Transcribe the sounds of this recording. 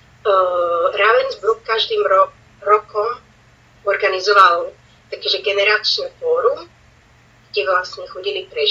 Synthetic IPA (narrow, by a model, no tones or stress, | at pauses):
ɾaʋɛnzbɾukkaʒd̪iːmɾɔ | ɾɔkɔm | ɔɾɡanizɔʋal | t̪akɛʒɛɡɛnɛɾat͡ʃnɛfɔɾu | ɡ̥ɟɛʋlasɲɛxɔɟilipɾɛ